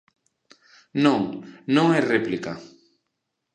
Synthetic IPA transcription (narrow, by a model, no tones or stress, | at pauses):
nõŋnõŋɛreplika